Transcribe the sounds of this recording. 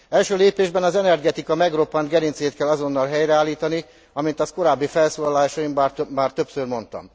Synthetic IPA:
ɛlʃøːleːpeːʒbɛnɒzɛnɛrɡɛt̪ikɒmɛɡro̞pːɒnt̪ɡɛɾint̪seːt̪kɛlːɒzo̞nːɒlɦɛjrɛaːlːiːt̪ɒni | ɒmint̪ɒsko̞ɾaːbːifɛlsoːlɒlaːʃɒjimmaːrt̪ø̞psørmo̞nt̪ɒ̰m

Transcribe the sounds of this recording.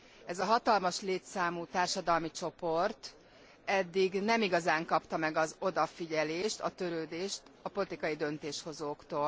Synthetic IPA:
ɛzɒɦɒt̪ɒlmɒʃleːt̪saːmuːt̪aːrʃɒd̪ɒlmit͡ʃo̞po̞rt̪ | ɛd̪ːiɡnɛmiɡɒzaːŋkɒpt̪ɒmɛɡɒzo̞d̪ɒfiɟɛleːʃt̪ɒt̪ø̞ɾøːd̪eːʃt̪ɒpo̞lit̪ikɒjid̪ønt̪eːʃho̞zoːkt̪oːl

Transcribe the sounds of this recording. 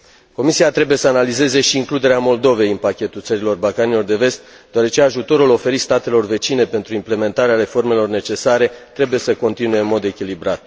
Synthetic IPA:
ko̞misiat̪ɾe̞buje̞səanalize̞ze̞ʃiːŋklud̪e̞ɾeamo̞ld̪o̞ve̞jɨnpakʲe̞t̪ult̪səɾilo̞rbalkanilo̞rd̪e̞ve̞st̪ | d̪̥oaɾe̞t͡ʃe̞aʒut̪o̞ɾulo̞fe̞ɾist̪at̪e̞lo̞rve̞t͡ʃine̞pe̞nt̪ɾuimple̞me̞nt̪aɾeaɾe̞fo̞rme̞lo̞rne̞t͡ʃe̞saɾe̞t̪ɾe̞buje̞səko̞nt̪inuje̞ɨnmo̞d̪e̞kʲilibɾat̪̚

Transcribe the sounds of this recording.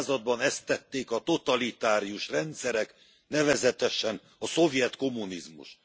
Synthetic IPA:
zɒd̪̚bɒnɛst̪ːɛt̪ːeːkɒt̪o̞t̪ɒlit̪aːɾijuʃrɛnt̪sɛɾɛk | nɛvɛzɛt̪ɛʃɛn | ɒso̞vjɛt̪ko̞mːunizmṵʃt̪

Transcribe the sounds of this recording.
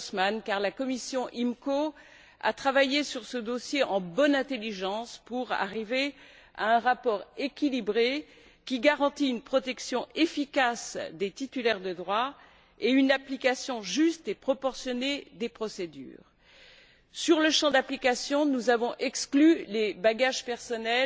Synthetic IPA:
smankaʁlakɔmisjɔ̃ʔimko | a̰t̪χavajesyʁsəd̪osjeʔɑ̃bɔnɛ̃t̪eliʒɑ̃spuʁa̰ʁive | a̰ɛ̃ʁapɔʁekʲilibʁe | kʲiɡaʁɑ̃t̪iynpχɔt̪ɛksjɔ̃efikasd̪et̪it̪ylɛʁd̪əd̪ʁwa | eynaplikasjɔ̃ʒyst̪epχɔpɔʁsjɔned̪epχɔsed̪y̰ːʁ | syʁləʃɑ̃d̪aplikasjɔ̃nuzavɔ̃ʔɛksklylebaɡaʒpɛʁsɔnɛl

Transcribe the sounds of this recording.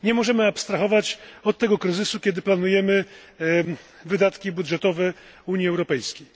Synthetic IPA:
ɲɛmɔʐɛmɘapst̪ɾaxɔvat͡ɕɔt̪ːɛɡɔkɾɘzɘsukʲɛd̪ɘplanujɛmɘ | vɘd̪at̪kʲibud̪ʐɛt̪ɔvɛ | uɲjiɛwɾɔpɛjskʲej

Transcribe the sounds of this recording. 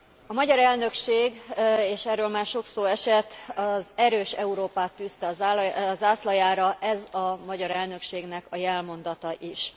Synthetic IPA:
ɒmɒɟɒɾɛlnø̞kʃeːɡeːʃɛrːøːlmaːrʃo̞ksoːɛʃɛt̪ːɒzɛɾøːʃɛ̰uɾoːpaːt̪ːyst̪ɛɒzzaːslɒjaːɾɒʔɛzɒmɒɟɒɾɛlnø̞kʃeːɡn̪ɛkɒjɛlmo̞nd̪ɒt̪ɒʔiʃ

